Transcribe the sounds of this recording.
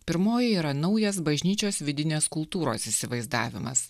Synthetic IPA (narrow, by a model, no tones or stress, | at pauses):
pʲɪɾmoːjɛiːɾɐnɐʊjɛsbɐʒʲnʲiːt͡ʃʲoːsʋʲɪd̪ʲɪnʲeːskʊlˠt̪uːɾo̰ːsɪsʲɪʋɐɪzd̪ɑ̰ːʋʲɪ̰mɐ̰s